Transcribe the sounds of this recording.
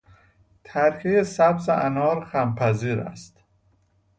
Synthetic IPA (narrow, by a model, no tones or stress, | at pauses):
t̪ʰæɾcʰejesæbzḛʔænɒːɾxæmpʰæziːɾæ̰st̪